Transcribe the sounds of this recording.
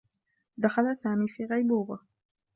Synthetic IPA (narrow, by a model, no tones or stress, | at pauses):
d̪axalasaːmiːfiːɣɑjbuːɣa